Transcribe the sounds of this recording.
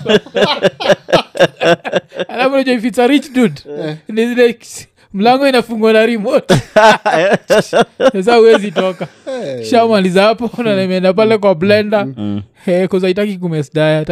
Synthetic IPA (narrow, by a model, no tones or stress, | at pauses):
alafunad͡ʒwaifisaɾit͡ʃdudnizilɛ | m̩laŋɡɔinafuŋɡwanaɾimɔta | ɛs̬auwɛzitɔkaʃamalizahapɔnanamɛndap̬alɛk̬wablɛndahɛkɔzaitakik̬umɛsdajat